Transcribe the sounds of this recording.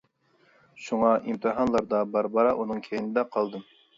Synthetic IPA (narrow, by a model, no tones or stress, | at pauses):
ʃuŋɑʔimt̪ʰɨɦɑnlˠɑɾd̪ɑbɑɾbɑɾɑʔunɨŋkʲʰejnɪd̪ɛqʰɑlˠd̪ɨm